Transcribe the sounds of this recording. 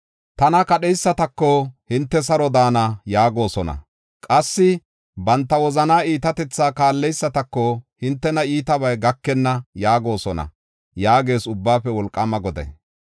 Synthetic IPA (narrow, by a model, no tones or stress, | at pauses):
t̪ɐnɐkɐɗɛjsːɐt̪ɐkːɔhɪnt̪ːɛs̬ɐɾɔd̪aːnɐjaːɡo̞ːsɔnɐ̰ | kʼɐsːɪ | bɐnt̪ːɐwɔzɐnaːiːt̪ɐt̪ɛt͡sːaːkaːlːɛjsːɐt̪ɐkːɔhɪnt̪ːɛnɐiːt̪ɐβɐjɡɐkːɛnːɐjaːɡo̞ːsɔnɐ̰ | jaːɡe̞ːsʊbːaːfɛwɔlkʼːɐmɐɡɔd̪ɛ̰j